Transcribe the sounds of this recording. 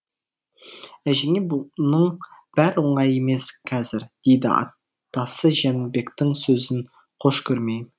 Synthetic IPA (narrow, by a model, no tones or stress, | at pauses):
æʒeŋebunəɴb̥æɾwoɴɑjeme̞skʲʰæzɪɾd̪̥ejd̪ɪ̰ɑ̰ | t̪ːɑsəʒænbe̞kt̪ɪŋsɵzɪn | qʰoʃkʲʰɵɾmej